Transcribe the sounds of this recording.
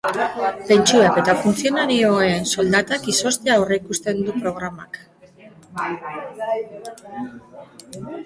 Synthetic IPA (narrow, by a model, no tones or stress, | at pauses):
p̪e̞nt͡ʃuake̞t̪afunθio̞naɾioeso̞ld̪at̪akiso̞st̪eawreikust̪e̞nd̪upɾo̞ɣ̞ɾama̰k